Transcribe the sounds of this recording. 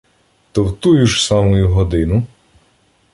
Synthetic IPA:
t̪ɔwt̪ujuʒsɑmʊjʊɦɔd̪ɪnʊ

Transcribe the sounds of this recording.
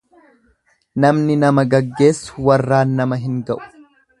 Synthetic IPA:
nɐmnɪnɐmɐɡɐɡːe̞ːsːʊ̥wɐrːaːnːɐmɐɦɪŋɡɐʔʊ̥

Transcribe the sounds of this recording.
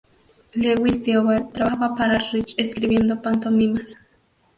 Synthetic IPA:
leɣwisd̪joβalt̪ɾaβaβapaɾarit͡ʃeskɾiβje̞nd̪opant̪omimas

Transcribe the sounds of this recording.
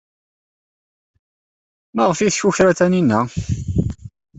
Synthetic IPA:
məʁəfiθçuçɾæt̪æninːə

